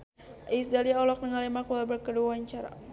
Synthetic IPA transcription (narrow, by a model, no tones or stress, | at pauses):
ʔisdaliɔlɔk̚nəŋalemakɔlabərkəduaɲt͡ʃaɾa̰